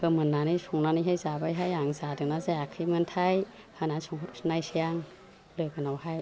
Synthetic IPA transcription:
hɯmɯnːanɯsuŋnanijɦajzabajɦajaŋzadɯnazajakʰɯjmɯntʰaj | hanasɔŋutsnajsijaŋ | lɯjɡɯnawhaj

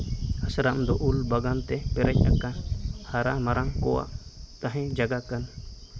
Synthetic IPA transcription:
asɾamd̪ɔʔulbaɡant̪ɛpɛɾɛc̚ʲˀakanhaɾamaɾaŋkɔwa̰ʔt̪ãɦɛ̃d͡ʒaɡakan

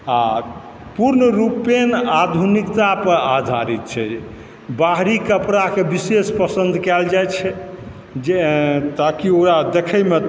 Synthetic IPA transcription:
a | puɾnəɾupenad̪ʱunikt̪apəɾad̪ʱaɾit̪̚t͡ʃʰɛ | baɦɾikəpɾakebisespəsə̃nd̪ʱkɛld͡ʒajt͡ʃʰɛ | d͡ʒet̪akioɾad̪ekʰəjme

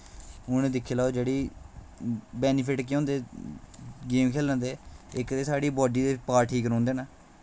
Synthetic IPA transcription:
ʊnẽːd̪ɪkʰːeːlaːod͡ʒeːɽiː | bɛːniːpʰɪʈkːõːnd̪eː | ɡeːmkʰeːlə̃nd̪eːɪkd̪eːsaːɽiːbɔːɖiːd̪eːpaːɾʈʰiːkəɾɔ̃ːnd̪eːnaː

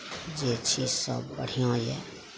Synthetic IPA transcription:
d͡ʒet͡ʃʰisʌ̰bbə̰ɽ̤ijõjḛ

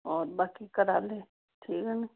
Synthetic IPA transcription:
ɔːɾbaːkikəɾaːle | ʈʰiːkən

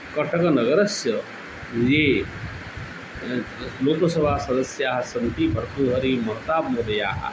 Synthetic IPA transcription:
kɐʈʰɐkɐnɐɡɐɾɐsjɐ | je | loːkosɐbʱaːsɐd̪ɐsjaɦsɐnt̪ipɐɾt̪uːɦɐɾimɐɾt̪aːbmoɾja̰ː

